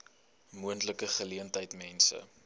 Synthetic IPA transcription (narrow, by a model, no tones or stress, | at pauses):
muəntləkəχəliəntəjtmɛnsə̰